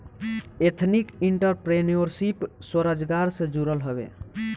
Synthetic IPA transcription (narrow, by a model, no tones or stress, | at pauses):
et̪ʰnikiɳʈəɾpɾenioɾsipswəɾəd͡ʒɡaɾsẽd͡ʒuɾəlɦəbḛ